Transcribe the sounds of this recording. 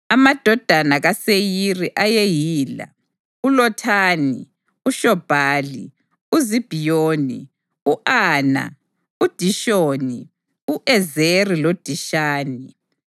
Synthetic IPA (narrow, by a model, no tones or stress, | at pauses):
amad̥ʱɔd̥ʱanaɣasejiriʔajejiːla̰ | ulɔtʰaːni | uʃɔb̥ʱaːli | uzib̥ʱijoːnḭ | uʔaːna̰ | ud̥ʱiʃoːni | uʔɛzerilod̥ʱiʃaːni